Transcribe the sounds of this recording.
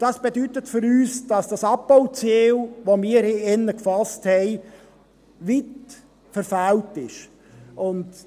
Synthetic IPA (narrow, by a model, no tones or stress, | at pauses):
d̥ɑsb̥edytətfʏɾyːsd̥ɑsd̥ɑsɑp̚powt͡seːlʋomiːəɾeɛnːəkfɑsthɛɪ | ʋit | fəɾfæltɪʃ | ʊnd